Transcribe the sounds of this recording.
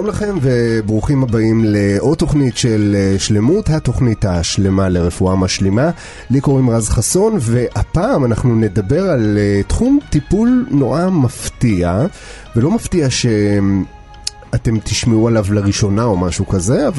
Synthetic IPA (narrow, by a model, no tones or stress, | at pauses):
ʃalomlaχe̞mve̞bʁuχimhabaimle̞ʔo̞to̞χnitʃe̞lʃle̞muthato̞χnithaʃle̞maleʁe̞fuamaʃlima | liko̞ʁimʁazχaso̞nve̞ʔhapaːmanaχnune̞dabe̞ʁaletχumtipulno̞ʁamaftia | velo̞maftiaʃe̞ | ate̞mtiʃmeualavlaʁiʃo̞nao̞maʃukaze̞av